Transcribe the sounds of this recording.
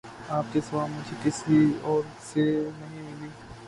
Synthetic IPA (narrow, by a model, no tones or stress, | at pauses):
aːp̚kesɐʋaːlmʊd͡ʒʱekɪsɾiɔːɾ | senɐɦĩmɪliː